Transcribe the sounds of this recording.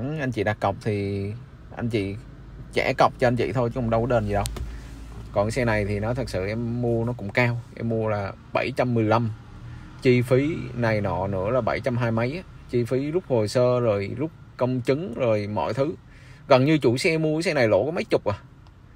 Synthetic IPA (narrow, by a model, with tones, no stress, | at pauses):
ʔa˧jŋ̟t͡ɕḭ˧˨˩ɗa˨˩kːə˨˩wk͡p̚t̪ʰi˨˩ | ʔa˧jŋ̟t͡ɕḭ˧˨ | t͡ɕɛ̰˧˥kə˨˩wk͡p̚t͡ɕɔ˧ʔa˧n̟t͡ɕḭ˧˨t̪ʰo˧jɨ˦kʊ̰˧˩ŋ͡mɗə˧wɗe˧nzi˨˩ɗə˧w | kɔ˨˩nsɛ˧na˨˩jt̪ʰi˨˩nɔ˨˦t̪ʰɨ˨˩k̚sɨ̰˧˨ʔɛ˧mːu˧ənɔ˨˦kʊ̰˧˥ŋ͡mkaː˧wʔɛ̰˧mːu˧əlaː˨˩ | ɓə˧˩jt͡ɕa˧mːɨ˨˩əjla˧m | t͡ɕi˧fi˨˦na˨˩jnɔ̰˧˨nɨ̰˧˥əlaː˨˩ɓə˧˩jt͡ɕa˧mɦaː˧jmə˨˦jʔa˨˧˦ | t͡ɕi˧fi˨˦zʊ˦˥k͡p̚ho˨˩səː˧zo˨˩jzʊ˦˥k͡p̚kə˧wŋ͡mt͡ɕɨ˨˦ŋzo˨˩jmɔ̰˧˨jt̪ʰɨ˨˦ | ɣə˨˩nɲɨ˧t͡ɕu˧˩sɛ˧ʔɛ˧mːu˧ə˧˨˦sɛ˧na˨˩jlo̰˧˥kɔ˨˦mə˨˦jt͡ɕʊ˨˩k͡p̚ʔaː˨˩